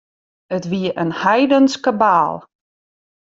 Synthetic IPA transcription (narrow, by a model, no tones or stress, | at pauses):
ətʋiəʔənhɛjdənskəbaːlˠ